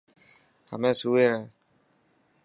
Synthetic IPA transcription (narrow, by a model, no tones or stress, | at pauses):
a̰mɛ̃suweɾɛ